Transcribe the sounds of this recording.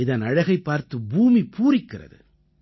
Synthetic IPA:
ɪðɐnɐɻɐɣɐɪpːaːɾt̪ɯbuːmipuːrɪkːɪrɐ̰ðɯ̰

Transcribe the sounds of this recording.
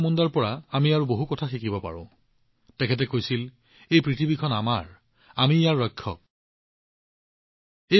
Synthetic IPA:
mundaɹpɔɹaːmiaɹuboɦukɔtʰaxikibɔpa̰ɹʊ̃ | tɛkʰɛt̬ɛkojsil | ejpɹitʰibikʰɔnamaɹ | amiːjaɹːɔjkʰːɔ̰k̚ | e

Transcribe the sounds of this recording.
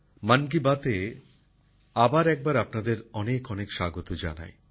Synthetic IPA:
mank̬ibat̪e | abaɾɛk̚baɾapnad̪eɾɔnekɔnekʃaɡot̪od͡ʑa̰na̰e

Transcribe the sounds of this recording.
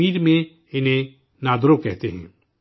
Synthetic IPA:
iːɾmẽ | ɪnɦẽ | naːd̪ɾokɛɦt̪eɦɛ̰̃ː

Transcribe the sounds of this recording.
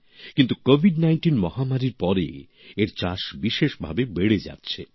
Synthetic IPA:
kint̪ukobʱiɖnajnʈinmɔɦamaɾiɾpɔɾḛ | eɾt͡ɕaʃbiʃeʃbʱa̰bebeɽed͡ʑa̰tːɕʰe

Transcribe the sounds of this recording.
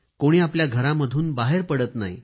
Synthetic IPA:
koɽ̃iːapljaɡʱəɾaməd̪ʱuːnbaɦeɾpəɽət̪na̰ḭ

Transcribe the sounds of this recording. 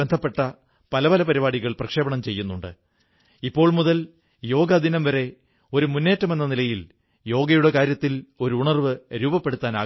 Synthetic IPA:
end̪ʱɐpːe̞ʈːɐ | pɐlɐʋɐlɐpɐɾibaːɽiɣɐɭprɐkʂe̞ːbɐɳɐmt͡ɕe̞jːunːuɳɖɨ̰ | ipːo̞ːɭmuðɐl | jo̞ːɡɐd̪inɐmʋɐɾe̞ | o̞ɾumunːe̞ːtːɐme̞nːɐnilɐjil | jo̞ːɡɐjuɽe̞kaːɾjɐt̪ːilo̞ɾuuɳɐrʋɨɾuːbɐpːe̞ɽut̪ːaːna̰ː

